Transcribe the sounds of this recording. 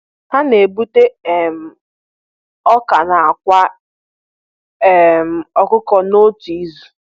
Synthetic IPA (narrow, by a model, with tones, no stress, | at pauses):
ha˦ne˨bu˦te˦ɛ˨m̩˨ | ɔ˦ka˨na˨a˨kʷa˦ | ɛ˦m̩˨ɔ˨kʊ˦kɔ˦no˦ti˨i˦zu˨